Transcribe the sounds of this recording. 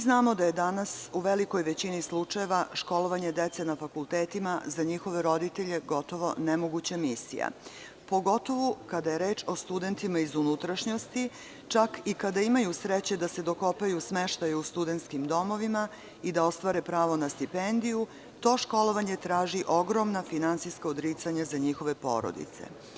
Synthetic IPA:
znaːmo̞d̪aje̞d̪anasuʋeliko̞jʋet͡ɕinislˠut͡ʂaje̞ʋaʃko̞lˠo̞ʋaɲe̞d̪et̪senafakulˠt̪eːt̪imazaɲixo̞ʋe̞ɾo̞d̪it̪eʎe̞ɡot̪o̞ʋo̞nemoɡut͡ɕamisḭja̰ | po̞ɡo̞t̪o̞ʋukad̪aje̞ɾe̞ːt͡ʃo̞st̪ud̪e̞nt̪imaizunut̪ɾaʃɲo̞st̪i | t͡ʃakikad̪aimajusɾet͡ɕe̞d̪ase̞d̪o̞ko̞pajusmeʃt̪ajeust̪ud̪ent̪skimd̪o̞mo̞ʋima | id̪ao̞st̪ʋaːɾepɾaːʋo̞nast̪ipend̪iju | t̪o̞ːʃko̞lo̞ʋaɲe̞t̪ɾaːʒiʔo̞ɡɾo̞mnafinant̪sijskaod̪ɾit̪saɲazaɲixo̞ʋe̞po̞̰ːɾo̰d̪ḭt̪sḛ

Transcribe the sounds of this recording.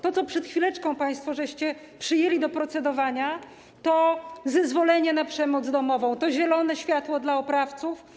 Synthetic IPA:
t̪ɔt̪sɔpʂɛt̪xfʲilɛt͡ʂkɔ̃w̃paj̃st̪fɔʐɛɕt͡ɕɛ | pʂɘjelʲid̪ɔpɾɔt̪sɛd̪ɔvaɲa | t̪ɔzɛzvɔlɛɲɛnapʂɛmɔd̪zd̪ɔmɔvɔ̃w̃t̪ɔʑɛlɔnɛɕfʲjat̪wɔd̪laɔpɾaft̪suf

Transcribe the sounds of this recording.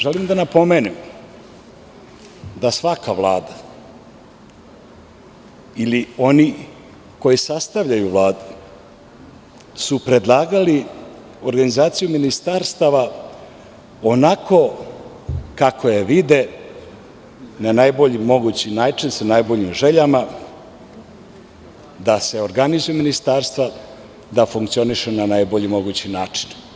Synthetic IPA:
ʒelimd̪anapo̞meːnim | d̪asʋakaʋlˠa̰ːd̪a | ilio̞ni | ko̞jisast̪aʋʎajuʋlˠaːd̪u | supɾe̞d̪lˠaːɡali | oɾɡanizaːt̪sijuminist̪aɾst̪aʋa | onakʰo̞ | kakʰojeʋid̪e | nanajbo̞ʎimo̞ɡut͡ɕinaːt͡ʂinsanajbo̞ʎimʒe̞ʎama | d̪ase̞oɾɡanizujeminist̪aːɾst̪ʋa | d̪afuŋkt̪sio̞niʃunanajbo̞ʎimo̞ɡut͡ɕinaːt͡ʂi̥n

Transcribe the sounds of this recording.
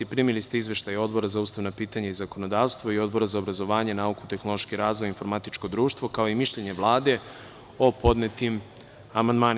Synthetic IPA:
ipɾimilist̪eizʋe̞ʃt̪ajo̞d̪bo̞ɾazauːst̪aʋnapiːt̪aɲaizako̞no̞d̪aːʋst̪ʋo̞io̞d̪bo̞ɾazaobɾazo̞ʋaːɲe̞naukut̪e̞xno̞lˠo̞ʃkiɾaːzʋojinfo̞ɾmat̪it͡ʃko̞d̪ɾuːʃt̪ʋo̞kao̞imiʃʎe̞ɲeʋlˠaːd̪e̞ | o̞po̞d̪net̪im | amand̪maːn

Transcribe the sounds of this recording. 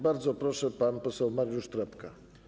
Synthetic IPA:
baɾd̪zɔpɾɔʂɛpanpɔsɛwmaɾjuʂt̪ɾɛpka

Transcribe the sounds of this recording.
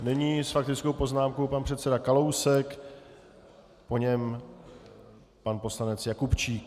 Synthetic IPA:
nɛɲiːsfak̚t̪ɪt͡sko̞wpo̞znaːmkowpanpr̥ɛt̪sɛdakalowsɛk | po̞ɲɛm | panpo̞slanɛt͡sjakupt͡ʃiːk

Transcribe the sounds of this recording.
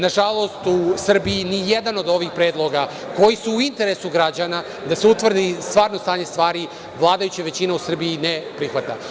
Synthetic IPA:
naʒalˠo̞st̪usr̩biinijed̪ano̞d̪o̞ʋixpɾe̞ːd̪lo̞ɡa | ko̞jisuːint̪e̞ɾesuɡɾad͡ʑana | d̪aseut̪ʋr̩d̪ist̪ʋaːɾno̞st̪aːɲest̪ʋaːɾi | ʋlˠaːd̪ajut͡ɕaʋe̞t͡ɕineusr̩biːnepɾixʋat̪a

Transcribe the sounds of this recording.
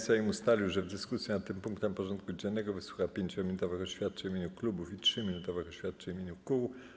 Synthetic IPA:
sajimust̪alʲiwʐɛvd̪ɘskusʲjɛnat̪ːɘmpuŋkt̪ɛmpɔʐɔnt̪̚kud͡ʑɛnːɛɡɔvɘswu̥xapʲjeɲt͡ɕɔmʲinut̪ɔvɘxɔɕfʲjat̪̚t͡ʂɛimʲeɲuklubufitʂɘmʲinut̪ɔvɘxɔɕfʲjat̪̚t͡ʂɛimʲeɲukuw

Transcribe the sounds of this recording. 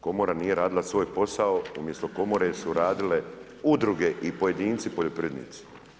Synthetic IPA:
ko̞moɾanije̞ɾaːd̪ilasʋo̞ːjpo̞saoumje̞st̪oko̞moɾesuɾaːd̪ile̞ | ud̪ɾuɡeʔipo̞je̞d̪iːnt̪sipoʎopɾd̪nḭːt̪si̥

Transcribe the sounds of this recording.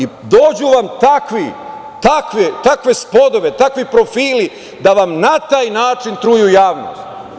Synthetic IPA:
id̪o̞ːd͡ʑuʋamt̪akʋi | t̪akʋit̪akʋe̞spo̞d̪o̞ʋe̞t̪akʋipɾo̞fiːli | d̪aʋamnat̪aːjnaːt͡ʃint̪ɾujujaːʋno̰st̪

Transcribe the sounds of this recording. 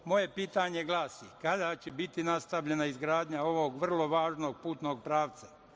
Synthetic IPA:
mo̞je̞piːt̪aɲe̞ɡlˠaːsikad̪at͡ɕebit̪inast̪aʋʎe̞naizɡɾaːd̪ɲao̞ʋo̞ɡʋr̩lˠo̞ʋaːʒno̞ɡ̚puːt̪no̞ɡ̚pɾaːʋt̪sa

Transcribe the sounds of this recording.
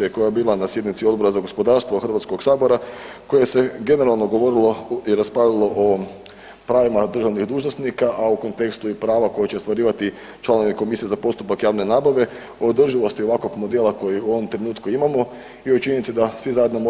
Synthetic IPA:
ieko̞jajebiːlˠanasje̞d̪nit̪sio̞d̪bo̞ɾazaɡo̞spo̞d̪aːɾst̪ʋo̞xrʋat̪sko̞ɡsaːbo̞ɾako̞je̞se̞ɡe̞ne̞ɾalˠno̞ɡo̞ʋo̞ɾilˠoiɾaspɾalilˠo̞ʔo | pɾaːʋimad̪r̩ʒaʋnixd̪uːʒnosnikaʔauko̞nt̪e̞kst̪uipɾaːʋako̞jet͡ɕest̪ʋaɾiːʋat̪i | t͡ʃlˠanoʋiko̞misijezapo̞st̪upakjaːʋne̞naːbaʋe̞ | od̪r̩ʒiʋost̪io̞ʋako̞ɡmo̞d̪elˠako̞jiuo̞ʋomt̪ɾe̞nuːt̪kuimamo̞ | iot͡ʃiɲenit̪sed̪asʋizajed̪nomo

